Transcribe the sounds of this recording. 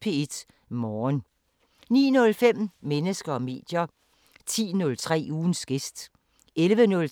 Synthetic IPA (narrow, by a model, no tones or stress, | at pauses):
pʰe̝ed̥ | mɒːn | nḭːnɔ̽lfem̰menəsɡ̥ɐɒme̝̰ːd̥jɐ | t͡sʰḭːnɔ̽lt͡sʰʁɛ̰ːuːn̩sɡ̥e̝sd̥ | elʋənɔ̽l